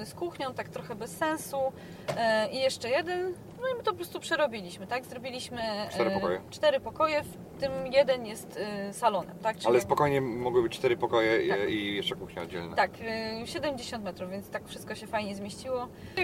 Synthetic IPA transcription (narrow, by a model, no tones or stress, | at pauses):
skuxɲɔ̃w̃t̪akt̪ɾɔxɛbɛsːɛ̃ñsu | ijɛʂt͡ʂɛjɛd̪ɛn | nɔimɘt̪ɔpɔpɾɔst̪upʂɛɾɔbʲilʲiɕmɘt̪aɡzɾɔbʲilʲiɕmɘt͡ʂt̪ɛɾɔɔjɛt͡ʂt̪ɛɾɘpɔkɔjɛf | t̪ɘmjɛd̪ɛnjɛst̪salɔnɛ̰mt̪ak̚ʈ͡ʂalɛspɔkɔjɲɛmɔɡwɘbɘt͡ɕt͡ʂt̪ɛɾɘpɔkɔjɛijɛʂt͡ʂɛkuxɲɛɔd̪d͡ʑɛ̰lnɛ̰t̪akɕɛd̪ɛmd͡ʑeɕɔ̃nt̪mɛt̪ɾuvvʲjɛnt̪st̪akfʂɘst̪̚kɔɕɛfajɲɛzmʲeɕt͡ɕiwɔ